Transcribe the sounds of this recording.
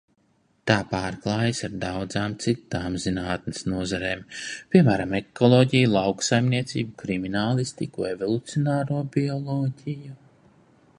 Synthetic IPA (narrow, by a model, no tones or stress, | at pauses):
t̪aːpaːɾklˠaːjsaɾd̪awd̪zaːmt̪sit̪ːaːmzinaːt̪nɪsnuɔzaɾeːmpʲiɛmæːɾamɛkɔlˠɔːɟijulˠawksajmniɛt̪sʲiːbukɾiminaːlˠist̪ikuevɔlˠut̪sijɔnaːɾuɔbiɔlˠɔːɟʲiju